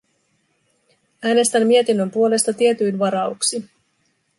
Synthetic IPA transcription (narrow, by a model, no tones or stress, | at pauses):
æːne̞st̪æmːie̞t̪inːømpuo̞le̞st̪ɑt̪iet̪yjnʋɑɾɑuksi